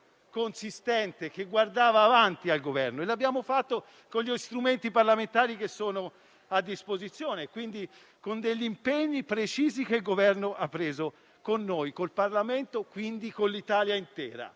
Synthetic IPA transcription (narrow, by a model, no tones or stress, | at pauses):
konsist̪ɛnt̪ek̟eɡward̪aːvaːvant̪ialɡovɛrnoelːabːjaːmofat̪ːo | konʎːist̪ɾument̪iparlament̪aːɾik̟esːoːno | ad̪ːispozit̪sːjoːnekwind̪i | kond̪eʎːimpeɲːipɾet͡ʃiːzik̟eilɡovɛrnoʔapːɾeːzo | konːojkolparlament̪okwind̪ikolːit̪aːljaint̪ɛ̰ːɾa̰